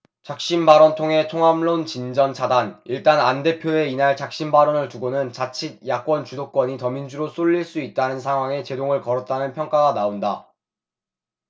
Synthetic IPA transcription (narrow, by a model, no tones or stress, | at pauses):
t͡ɕak̚ɕ͈inbaɾʌntʰoŋɦe̞t͡ɕʰoŋamɭont͡ɕind͡ʑʌnt͡ɕʰadaniɭt͈anande̞pʰjoe̞inaɭt͡ɕak̚ɕ͈imbaɾonɯɭtuɡonɯnt͡ɕat͡ɕʰit̚jak͈wʌnt͡ɕudok̚k͈wʌɲitʌmind͡ʑuɾos͈ʰoʎːiɭs͈uit̚t͈anɯnsʰaŋɦwaŋe̞t͡ɕe̞doŋɯɭkʌɾʌt̚t͈anɯnpʰjʌŋk͈aɡanaonda